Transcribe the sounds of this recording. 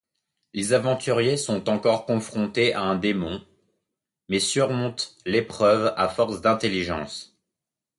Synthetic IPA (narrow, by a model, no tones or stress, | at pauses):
lezavɑ̃t̪yʁjesɔ̃t̪ɑ̃kɔʁkɔ̃fχɔ̃t̪eʔaɛ̃d̪emɔ̃ | mɛsyʁmɔ̃t̪lepχœva̰fɔʁsd̪ɛ̃t̪eliʒɑ̃s